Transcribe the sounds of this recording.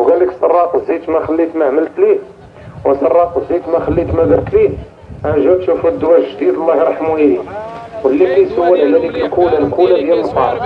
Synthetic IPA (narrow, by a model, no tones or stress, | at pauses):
wɡæliksɑrˤːɑqzit̪mæxælːit̪mæʕməlt̪li | wənsɑrˤːɑqzit̪mæxælːit̪mæd̪əɾt̪li | aʕʒæt̪ʃufud̪ːwæʒd̪id̪əlˤːɑhɾˤɑħmujiliwhəlːilijsəwːəlʕmælikəlkulælkulæd̪jælmt̪ɑ̰ɾˤ